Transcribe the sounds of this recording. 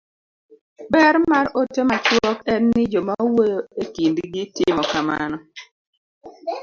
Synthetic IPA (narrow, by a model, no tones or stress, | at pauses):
bɛɾmaɾotemat͡ʃwɔkɛnːɪd͡ʒɔmawoekindiɡɪtɪmɔkama̰nɔ